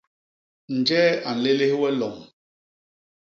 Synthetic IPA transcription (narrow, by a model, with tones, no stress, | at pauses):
n̩˨d͡ʒɛː˦a˨n̩˨le˦le˦hwɛ˦lɔ˨m